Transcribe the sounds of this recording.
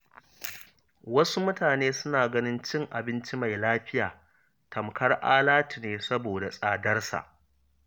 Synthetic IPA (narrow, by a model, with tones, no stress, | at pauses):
wɐ˦su˦mʊ˦taː˨neː˦sʊ˦naː˨ɡɐ˦nɪ˦nt͡ʃɪ˦ŋʔa˨bɪ˦nt͡ʃi˦ma˨jlaː˦ɸɪ˦jaː˨ | tʰɐ˨mkɐ˦rʔaː˦laː˦ti˨neː˨sɐ˦boː˨da˨sʼaː˨dɐ˦rsa̰˨ʔ